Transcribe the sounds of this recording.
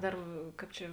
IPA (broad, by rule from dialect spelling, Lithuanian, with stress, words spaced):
ˈdɐr ˈkɑːp t͡ʃʲɛ